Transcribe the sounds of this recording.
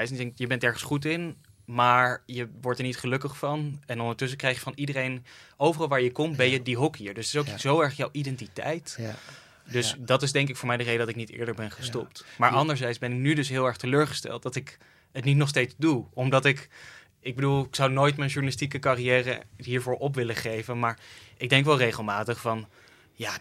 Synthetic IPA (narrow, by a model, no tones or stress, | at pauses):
jdɛŋjəbɛntdɛɹχənsχutɪn | maːɹjəʋɔɹtɛɹnitχəlɵkəχfɑnɛnɔndəɹtɵs̬əkrɛjχjəfɑnidərejnowvərɑlˠʋaːɹjəkɔmbɛjədiɦɔkɦiəɹdɵsətɪsowkzowɛɹχjawʔidɛntitɛ̰jt | døsdɑtɪzdɛŋkɪkfʊːɹmɛjdərejdədɑtɪknitɪ̰ːɹdəɹbɛnχəstɔp̚tmaːɹʔɑndəɹzɛjtszbɛnɪk̚nydɵsɦɪːlˠɛɹχtəløːɹχə̥stɛ̰lˠt̚dɑtɪk | ətnit̬nɔχstejtzduɔmdɑtɪk | ɪɡ̚bədulˠɪksɑwnoːjtmɛjnʒunalɪstikəkarijɛːrə̰ɦiːɹvʊːɹʔɔp̬ʋɪləχejvənmaːɹʔɪɡ̚dɛŋkʋɛlˠrejχəlˠmaːtəχfɑn | jaː